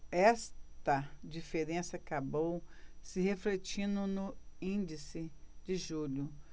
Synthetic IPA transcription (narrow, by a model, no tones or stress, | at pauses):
ɛst̪ɐd͡ʒifeɾẽsɐakabowsɪɦeflet͡ʃĩnd̪ʊnʊĩd͡ʒisɪd͡ʒɪʒuʎʊ